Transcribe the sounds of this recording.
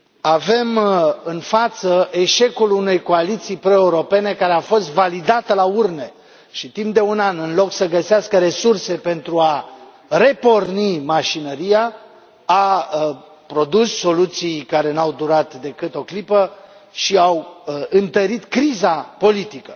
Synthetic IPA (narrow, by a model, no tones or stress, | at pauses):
ave̞mɨnfat̪səʔe̞ʃe̞kulune̞jko̞alit̪sijpɾo̞e̞uɾo̞pe̞ne̞kaɾe̞afo̞st̪valid̪at̪əlaurne̞ | ʃit̪impd̪e̞unanɨnlo̞ksəɡəseaskəɾe̞surse̞pe̞nt̪ɾua | re̞po̞rnimaʃinəɾija | a | pɾo̞d̪usːo̞lut̪sijkaɾe̞nawd̪uɾat̪d̪e̞kɨt̪o̞klipə | ʃiawɨnt̪əɾit̪kɾizapo̞lit̪ikə